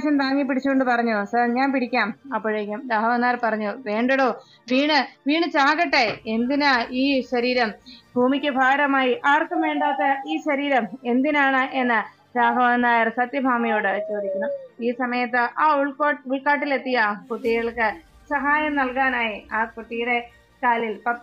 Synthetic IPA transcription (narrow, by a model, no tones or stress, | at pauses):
ɕɐnt̪aːŋːipːiɽit͡ɕːuoɳɖɨpɐrɐɲːusɐrɲaːnpiɽikʲːaːmɐpːoːɻeːkʲːumɾaːbɐʋɐnːaːjrpɐrɐɲːuʋe̞ːɳɖɐɽo̞ː | ʋiːɳɨʋiːɳɨt͡ɕaːɣɐʈːeend̪inaiːɕɐɾiːɾɐmbʱuːmikʲːɨbʱaːɾɐmaːjiʔaːrkːɐmʋeːɳɖaːt̪ːeiːɕɐɾiːɾɐme̞nd̪inaːɳɨʔe̞nːɨ | ɾaːbʱɐʋɐnːaːjɐrsɐt̪jɐbʱaːmɐjo̞ːɽɨt͡ɕo̞ːd̪ikʲːunːuiːsɐmɐjɐt̪ːɨʔaːuɭkouɭkaːʈ̬ːile̞t̪ːijɐput̪ːiɣɐɭkɨ | sɐɦaːjɐmnɐlkaːnaːjiaːkuʈːijre | kaːlilpɐ